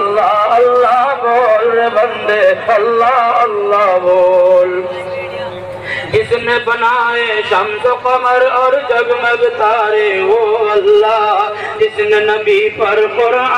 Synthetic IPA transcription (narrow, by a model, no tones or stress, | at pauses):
lːaəlːaboːlnebə̃nd̪eɐlːaəlːaboːl | ɪsnebənaːesɐmsokəməɾɔːɾd͡ʒɐbmẽbɪt̪aːɾeʋoəlːa | ɪsnenəbipɐɾpoɾ